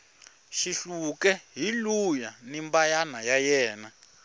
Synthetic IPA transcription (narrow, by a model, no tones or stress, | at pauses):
ʃiɬukɛɦilujanimbajanajajɛːna